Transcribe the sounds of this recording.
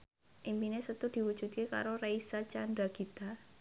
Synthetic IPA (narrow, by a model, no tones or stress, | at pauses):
ʔimpinesət̪ud̪̥i̤wud̥d͡ʒ̥ṳt̪̚keka̰ɾoraisat͡ʃand̪ɾaɡ̥it̪a